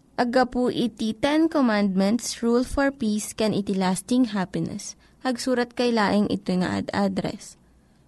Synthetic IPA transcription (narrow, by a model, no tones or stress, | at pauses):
ʔɐɡɐpuʔit̪it̪ɛnkomãnd̪̚mɛnt̪sɹulfɔɹpiːskɛnʔɪt̪ɪlaːst̪ɪŋɦapɪnɛ̰s | pɐɡsuːɾɐt̪̚kɐjlaːʔɪŋʔɪ̰t̪ojŋɐ̰ʔa̰d̪ad̪ɾɛ̰s